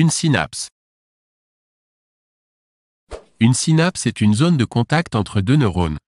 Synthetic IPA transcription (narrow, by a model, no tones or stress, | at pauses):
ynsina̰ps | ynsinapsɛt̪ynzond̪əkɔ̃t̪akt̪ɑ̃t̪χəd̪ønəʁon